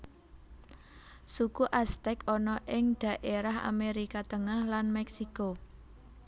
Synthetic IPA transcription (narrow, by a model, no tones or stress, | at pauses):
sukuʔast̪ɛkɔnɔʔɪŋɖ̪̥ä̤ʔeɾaɦa̰meɾikat̪əŋahlanmɛksiko